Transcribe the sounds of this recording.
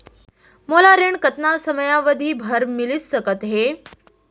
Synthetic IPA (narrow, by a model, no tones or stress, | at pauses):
molaɾeɳɖkət̪nasəməjaʋəd̪ʱiːbʱəɾmilissəkət̪ɦe